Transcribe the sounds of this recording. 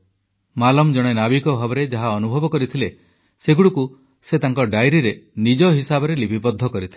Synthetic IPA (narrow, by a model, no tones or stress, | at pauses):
malɔmd͡ʒɔɽ̃enabikɔbʱabɔɾed͡ʒaɦaɔnubʱɔbɔkɔɾit̪ʰile | seɡuɽuku | set̪aŋkɔɖajɾiɾenid͡ʒɔɦisabɔɾelibʱipɔd̪ʱːɔkɔɾit̪ʰil